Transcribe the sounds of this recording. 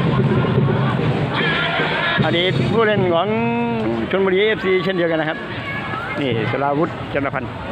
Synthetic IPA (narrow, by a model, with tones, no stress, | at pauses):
ʔa˧diː˨˩t̪̚pʰuː˥˨le˧˩˨nkʰɔː˨˩˦ŋ | t͡ɕʰo˧˥nmbɔ˧liː˧ʔe˦˥˩p̚siː˧sʰe˥˩ndi˧əka˧na˧kʰa˦˥p̚ | niː˧˩sa˧la˧wu˦˥t̪̚t͡ɕa˧˩nːa˧pʰa˧n